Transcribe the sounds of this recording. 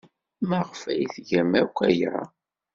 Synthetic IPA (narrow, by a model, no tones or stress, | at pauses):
mæʁfæjθʝæmækʷːæjɾˤɑ̰